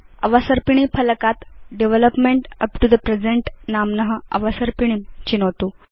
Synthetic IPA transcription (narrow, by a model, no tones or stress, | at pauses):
əʋasəɾpiɳ̃ipələkat̪ɖeʋeləpmeɳʈəpʈud̪əpɾed͡zeɳʈnamnəɦəə̰ʋasəɾpiɽ̃imt͡ɕinot̪u